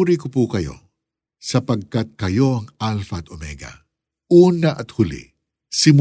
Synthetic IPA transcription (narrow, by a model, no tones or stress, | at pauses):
ɾikopuːkɐjo̞̰ | sɐpɐɡ̚kɐt̪̚kɐjo̞ɐŋalfɐt̪omɛɡɐ̰ | ʔuːnɐʔɐt̪hʊlḭ | sɪm